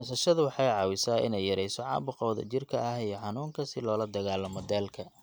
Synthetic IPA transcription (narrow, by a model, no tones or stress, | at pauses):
sɐʃɐðʊwɑħɑjʕɑːwɪsaːʔɪ̰nɛjɐɾɛjsɔʕɑ̰ːbʊqɔːðɐ̰t͡ʃɪrkʰɐɐhijɔħɑnuːŋkʰɐsɪlɔːlɐd̪ɐɣaːlɔmɔd̪ɛːlkʰɐ